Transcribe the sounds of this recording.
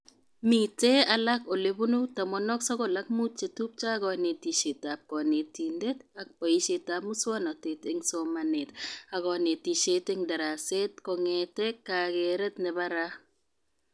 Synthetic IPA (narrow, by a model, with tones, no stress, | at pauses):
mi˨te˦a˨la˦ko˨le˨bu˦nu˦ta˨mɔ˨nɔ˦ksɔ˦ɡɔ˦˨la˦k̚mu˦t̚t͡ʃe˨tu˦p̚t͡ʃa˦ɡɔ˨ne˨ti˨ʃe˨ta˨p̚kɔ˨ne˨ti˨nde˦ta˦k̚pɔ˨i˦ʃe˨ta˨mu˦swa˦nɔ˨te˨te˦ŋso˦ma˨ne˨ta˨ɡɔ˨ne˨ti˨ʃe˦te˦ŋda˨ɾa˨se˦tkɔ˨ŋe˨te˦ka˨ɡe˨ɾɛ˦tnɛ˨ba˦ɾa˦